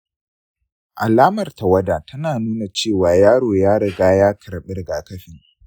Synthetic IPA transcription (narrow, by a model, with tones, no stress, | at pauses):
ʔa˨laː˦mɐ˨rta˨wɐ˦daː˨tʰɐ˦naː˨nuː˦na˨t͡ʃeː˦˨waː˨jaː˦ɽoː˨jaː˦ɽɐ˨ɡaː˦jaː˦kʰɐ˨ɾɓɪ˦rɡaː˨kɐ˦ɸiː˦˨